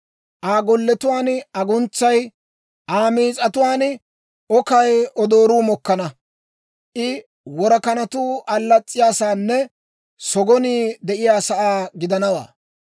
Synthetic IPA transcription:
ʔaːɡɔlːɛt̪ʊwaːnɐɡʊnt͡sːɐj | ʔaːmiːt͡sʼɐt̪ʊwaːn | ɔkɐjɔd̪o̞ːɾuːmɔkːɐnɐ | ʔɪ | wɔɾɐkɐnɐt̪uːʔɐlːɐt͡sʼːɪjaːsaːnːɛ | sɔɡɔniːd̪ɛʔɪjaːsɐʔaːɡɪd̪ɐnɐwa̰ː

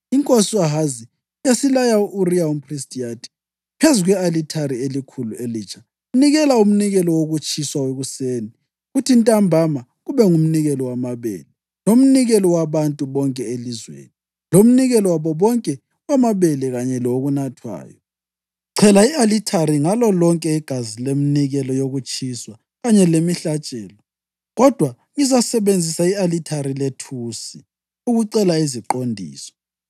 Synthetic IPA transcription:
iŋkʼosiaɦazi | jasilajauʔuriaum̩pʰristʼijatʰi̥ | pʰezuɣwɛalitʰaɾielikʰulueliːt͡ʃʰʼḁ | niɣɛlaum̩niɣɛlɔwoɣut͡ʃʼʰiswaweɣuseːni | ɣutʰintʼambʱama | ɣuβɛŋum̩niɣɛlɔwamaβḛlɛ | lom̩niɣɛlɔwaβantʼuβɔŋkʼɛelizwḛni | lom̩niɣɛlɔwaβɔβɔŋkʼɛ | wamaβeliɣaɲɛlɔɣunatʰwa̰ːjɔ | ǀʰɛlaialitʰaɾiŋalɔlɔŋkʼɛiɡ̥ʱazileminiɣɛlɔjoɣut͡ʃʰʼiswa | ɣaɲɛlemiɬat͡ʃʼɛːlɔ | ɣɔd̥ʱwa | ŋizasɛβend͡zʱisaialitʰaɾiletʰuːsi | uɣuǀɛlaiziǃondʱḭːsɔ̥

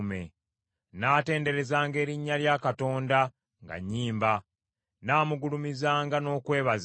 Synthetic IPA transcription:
me̞̰ | naːte̞ːnde̞ɾe̞zaːŋɡe̞ːɾiɲːaljaːkato̞ːnda | ŋɡa̰ɲːiːmba | naːmuɡulumizaːŋɡano̞ːkwe̞ːβaz

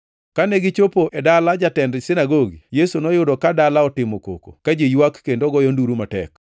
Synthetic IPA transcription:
kanɛɡɪt͡ʃopoʔɛdalad͡ʒatɛndsɪnaɡoɡḭjesunɔjʊdɔkadalaɔtɪmoko̰ko̰kad͡ʒejwakːendoɡɔjɔnduɾumatɛ̰k

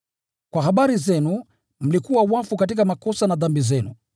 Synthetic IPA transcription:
kwahaɓaɾizɛnu | m̩likuwawafukat̬ik̬amakɔsanaðambizɛnṵ

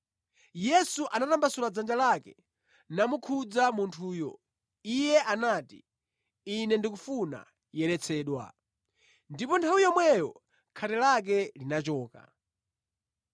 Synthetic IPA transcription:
jɛsuʔanatambasulad͡zand͡ʒalakɛ | namukʰud͡zamuntʰuːjɔ̰ | ijɛʔanaːtḭ | inɛndikufuna̰ | jɛɾɛt͡sʰɛːɗwa̰ | ndipɔntʰawijɔmwɛjɔ | kʰatɛlak̬ɛlinat͡ʃɔːka̰

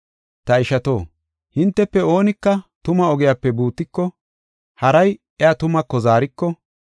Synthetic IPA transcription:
t̪ɐɪʃɐt̪o̞ː | hɪnt̪ːɛpːɛo̞ːnɪkːɐt̪ʊmɐɔɡɪjaːpːɛbuːt̪ːɪkːɔ | hɐɾɐj | ɛat̪ʊmɐkːɔzaːɾɪkːɔ

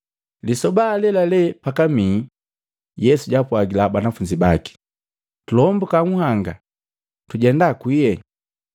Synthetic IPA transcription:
lisɔbalɛlalɛpakamiː | jɛsuɟapwaɡilabanafuɲd͡ʒibaki̥ | tulɔmbukaŋuhaŋɡa̰ | tuɟɛndakwijɛ

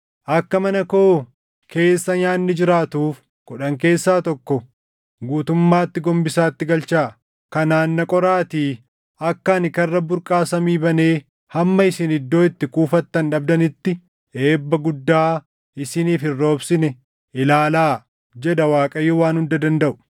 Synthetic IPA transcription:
ʔɐkːɐmɐnɐko̞ː | kʰe̞ːsːɐɲaːnːɪd͡ʒɪɾaːt̪uːf | kɔᶑɐŋk̬e̞ːsːaːt̪ɔkːɔ | ɡuːt̪ʊmːaːt̪ːɪɡɔmbɪsaːt̪ːɪɡɐlt͡ʃaː | kɐnaːnːɐkʼɔɾaːt̪iː | ɐkːɐːnɪkɐrːɐbʊɾkʼaːsɐmiːbɐne̞ː | hɐmːɐɪsɪnɪd̪ːo̞ːɪt̪ːɪkuːfɐt̪ːɐnᶑɐbd̪ɐnɪt̪ːɪ | e̞ːbːɐɡʊd̪ːaː | ɪsɪniːfɪrːo̞ːbsɪnɛ | ʔɪlaːlaː | d͡ʒɛd̪ɐwaːkʼɐjːowaːnhʊnd̪ɐd̪ɐnd̪ɐʔʊ̥

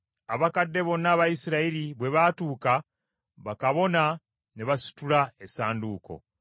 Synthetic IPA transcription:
aβakadːe̞βo̞nːaːβajisiɾaiɾiβwe̞βatuːka | βakaβo̞na | neβasi̥tulaesaːnduːko̞̰

